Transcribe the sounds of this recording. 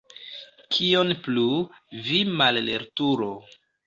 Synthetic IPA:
kʰionplu | vimallḛɾtuɾo

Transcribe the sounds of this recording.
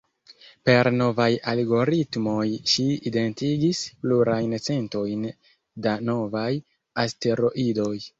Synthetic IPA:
pe̞ɾno̞vajalɡo̞ɾitmo̞jʃiide̞ntiɡispluɾajnt͡se̞nto̞jn | dano̞vaj | aste̞ɾo̞ʔido̞j

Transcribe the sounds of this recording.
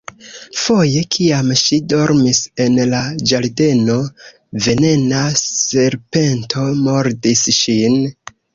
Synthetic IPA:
fo̞je̞kʰiamʃido̞ɾmise̞nlad͡ʒaɾde̞no̞ | ve̞ne̞nase̞ɾpe̞ntʰo̞moɾdisʃin

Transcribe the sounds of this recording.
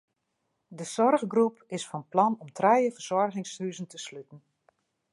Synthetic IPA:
dəsɔrɣɡrupɪsfɔnplɔnɔmtʰrɛjəvərz̥ɔrɣɪŋshyzəntəslytn̩

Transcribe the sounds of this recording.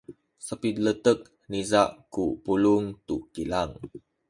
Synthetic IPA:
səpid̪lət̪ək̚ | nizaʔkupuluŋt̪uʔkilaŋ

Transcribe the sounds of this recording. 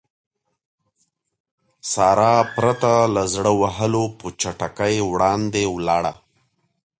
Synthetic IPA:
sɑɾɑpɾat̪alazɽəwaɦəlopət͡ʃaʈakajwɽɑnd̪ewlɑɽa̰

